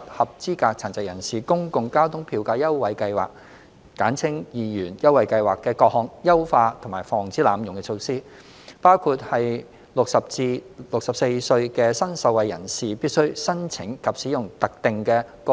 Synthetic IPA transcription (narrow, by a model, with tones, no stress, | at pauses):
p̚hɐ˨p̚t͡siː˥kaː˧k̚t͡sʰaː˨˩nt͡sɐ˨kjɐ˨˩nsiː˨kʊ˥ŋkʊ˨˧ŋkaː˥wt̪ʰʊ˥ŋpʰiː˧wkaː˧jɐ˥wwɐ˨˧jkɐ˧jwa̰ː˨k̚ː | aː˨˥nt͡sʰɪ˥ŋjiː˨˧jyː˨˩njɐ˥wɐ˨˧jkɐ˧jwaː˨kːɛː˧kɔː˧k̚hɔː˧ŋjɐ˥wfaː˧t̪ʰʊ˨˩ŋmaː˨˩jfɔː˨˩ŋt͡siː˨˥laː˨˧mjʊ˨˩ŋkɛ˧t͡sʰo˧wsiː˥ | paː˥wkʰuː˧t̚hɐ˨j | lʊ˨k̚sɐ˨p̚t͡siː˧lʊ˨k̚sɐ˨p̚se˧jsɵ˧ɥkɛː˧sɐ˥nsɐ˧wɐ˨˩jɐ̰˨˩nsiː˨piː˥t̚sɵ˥ɥsɐ˥nt͡sʰɪ˨˥ŋkʰɐ˨p̚siː˨˥jʊ˨˩ŋt̪ɐ˨k̚t̪ɪ˨ŋkɛː˧kɔ